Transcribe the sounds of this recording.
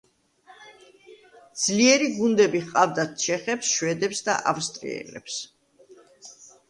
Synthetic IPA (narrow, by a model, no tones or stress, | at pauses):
d̪z̥liɛɾiɡund̪ɛbiʁqʼavd̪at̪ʰt͡ʃʰɛχɛpsʃwɛd̪ɛpsd̪a̰ʔafst̪ʼɾḭɛ̰lɛ̰ps